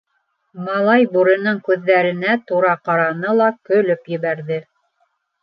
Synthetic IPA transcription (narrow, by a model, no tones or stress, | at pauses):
mɑlˠɑjbuɾɤ̆nɤɴkʉðːæɾɘ̆næt̪uɾɑqɑɾɑnɤlˠɑkɵ̆lɵpjɘ̆βæɾðɘ